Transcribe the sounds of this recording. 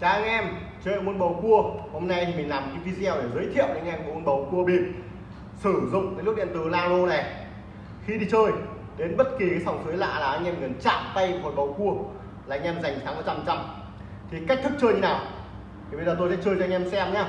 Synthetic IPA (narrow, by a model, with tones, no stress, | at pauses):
t͡ɕaː˧ŋʔɛ˧m | t͡ɕəː˧˩˧mo˧nɓə˨˩wku˧əho˧mna˧jt̪ʰi˨˩mï˨˩ŋ̟laː˨˩m˩kḭ˨˧˦ŋvi˧zɛ˧wɗe˧˩zəː˨˦jt̪ʰḭ˧˨əwɗe˧˩ŋʔɛ˧m˨mo˧nɓə˨˩wku˧əɓi˨˧˩ən | sɨ˧˩zʊ̰˧˨ŋ͡mkaː˨˦jlk̚ɗḭ˧˨ənt̪ɨ˨˩laː˧lo˧nɛ˨˩ | xi˧ɗi˧t͡ɕəː˧j | ɗe˨˦nɓə˦˥t̚ki˨˩ka˨˦jsɔ˧˩wŋ͡msɨ˨˦jla̰ː˧˨laː˨˩ʔaː˧jŋɛ˧mŋɨ˨˩ənt͡ɕa̰ː˧˨mt̪ə˧jo̰˨˩jɓə˨˩wku˧ə | laː˨˩ŋʔɛ˧mza˨˩jŋ̟saː˨˦mə˨˩t͡ɕa˧˩mt͡ɕa˧˩m | t̪ʰi˨˩ka˦˥k̚t̪ɨ˦˥k̚t͡ɕəː˧jɲi˧naː˨˩w | t̪ʰi˨˩ɓe˧jzəː˨˩t̪o˧jsɛ̰˧˥t͡ɕəː˧jt͡ɕɔ˧ɲɛ˧msɛ˧mɲa˧˦